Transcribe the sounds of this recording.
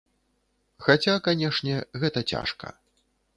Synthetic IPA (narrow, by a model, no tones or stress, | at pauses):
xat͡sʲakanʲɛʂnʲɛɣɛt̪ɐt͡sʲa̰ʂkɐ̰